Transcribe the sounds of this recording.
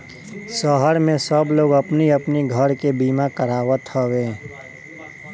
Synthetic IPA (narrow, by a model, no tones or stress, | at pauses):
sɔɦəɾmẽsəbloːɡɐpniɐpniɡʱəɾkebiːmakəɾaːwət̪howẽː